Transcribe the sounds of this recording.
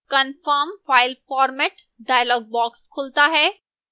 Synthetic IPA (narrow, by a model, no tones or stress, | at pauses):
kɐnfəːmfaːɪlfɔːɾmɛʈ | ɖaːjlɔːɡ̚bɔːkskʰʊlt̪aɦɛː